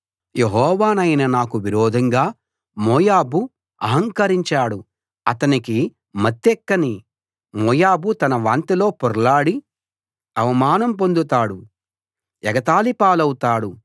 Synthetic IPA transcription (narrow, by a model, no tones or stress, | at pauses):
jeɦɔːʋaːnɐjnɐnaːkuʋiɾɔːd̪ʱɐŋɡaː | mɔːjaːbu | ɐ̰ɦɐŋkɐɾiɲt͡ʃaːɽu | ɐt̪ɐniki | mɐt̪ːɛkːɐni | mɔːjaːbut̪ɐnɐʋaːnt̪ilo̞ːpɔɾlaːɽi | ɐʋɐmaːnɐmpond̪ut̪aːɽu | ɛɡɐt̪aːlipaːlɐwut̪aːɽu